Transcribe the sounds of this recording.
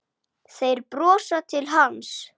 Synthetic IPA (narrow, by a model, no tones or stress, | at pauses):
θejɾpɾɔːsat̪ʰɪlɦans